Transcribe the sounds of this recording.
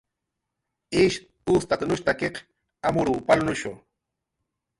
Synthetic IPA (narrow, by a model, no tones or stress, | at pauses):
ɪʃ | ust̪at̪nʊʃt̪akeq | amʊɾuːpalʊnʊʃo̰